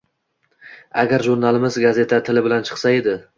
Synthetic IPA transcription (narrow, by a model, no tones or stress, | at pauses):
a̰ɡʲaɾʒuɾnalɪmɪzɡaze̞t̪ʰat̪ʰɪlɪbɪlant͡ʃʰɨ̥χsae̞d̪ɪ